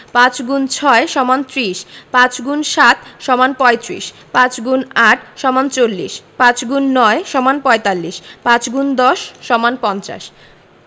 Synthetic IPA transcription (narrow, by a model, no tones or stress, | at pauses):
pãt͡ɕɡunt͡ɕʰɔeʃɔmant̪ɾiʃpãt͡ɕɡunʃat̪ʃɔmanpɔet̪ɾḭʃ | pãt͡ɕɡunaʈʰʃɔmant͡ɕolːḭʃpãt͡ɕɡunːɔeʃɔmanpɔet̪alːiʃpãt͡ɕɡund̪ɔʃːɔmanpɔnt͡ɕa̰ʃ